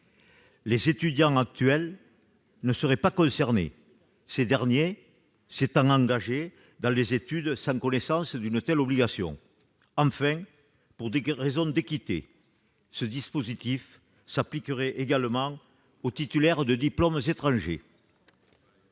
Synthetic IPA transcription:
lezet̪yd̪jɑ̃ŋak̚t̪yɛl | nəsəʁɛpakɔ̃sɛʁnḛ | sed̪ɛʁnje | set̪ɑ̃ŋɑ̃ŋɡaʒe | d̪ɑ̃lezet̪yd̪sɑ̃ŋkɔnesɑ̃səd̪ynət̪ɛlɔbliɡasjɔ̰̃ | ɑ̃fɛ̃ | puʁd̪eʁezɔ̃d̪ekit̪ḛ | səd̪ispozit̪if | saplikəʁɛʔeɡaləmɑ̃ | ot̪it̪ylɛʁd̪əd̪iplɔmzet̪χɑ̃ʒḛ

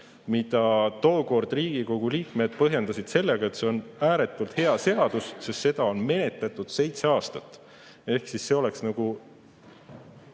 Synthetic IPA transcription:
mid̪̥ɑt̪o̞ːko̞rd̪̥riːɡ̥iko̞ɡ̥uliːkme̞d̪̥̚pɤɦje̞nd̪̥ɑsid̪̥se̞lːeɡ̥ɑe̞t̪se̞o̞næːɾe̞t̪ːˑult̪he̞ɑse̞ɑd̪̥ussest̪se̞d̪ɑo̞nme̞ne̞t̪ːˑɑt̪ːˑud̪̥se̞jt̪seɑːst̪ɑt̪ːˑ | e̞hksisːe̞o̞le̞ksnɑɡ̥u

